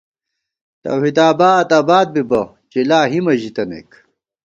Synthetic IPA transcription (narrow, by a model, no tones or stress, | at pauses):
t̪ɐ̰whid̪aːbaːt̪aːbaːd̪̚bibɐ | t͡ɕilaːɦimɐʑit̪ɐnḛk